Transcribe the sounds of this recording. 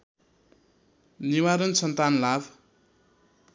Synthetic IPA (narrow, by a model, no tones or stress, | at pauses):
niwaɾʌnsʌnt̪anlab